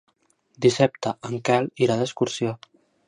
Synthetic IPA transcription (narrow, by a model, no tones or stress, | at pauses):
d̪isap̚t̪əʔəŋkɛliɾaðəskuɾsio